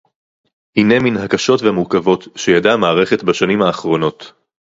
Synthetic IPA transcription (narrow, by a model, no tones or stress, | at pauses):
hine̞minhakaʃo̞tveamuʁkavo̞tʃejadamaːʁe̞χetbaʃanimhaːχʁo̞no̞t